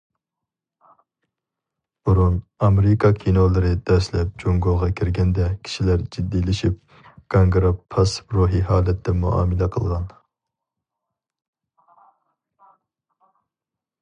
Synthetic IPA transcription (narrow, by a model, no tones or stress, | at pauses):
b̥uɾunɑmeɾɪkʰɑkʲʰinolˠɨɾɨd̪̥ɛʃlɛp̚d͡ʒoŋɡoʁɑkʲʰiɾɡʲɛnd̪ɛkʲʰi̥ʃilæɾd͡ʒid̪ːilɪʃip̚ | ɡ̥ʰɑŋɡɾɑpʰɑsɾuɦiɦɑːlɛt̪ʰːɛmṵʔɑ̰ːmɨlɛqʰəlˠʁɑn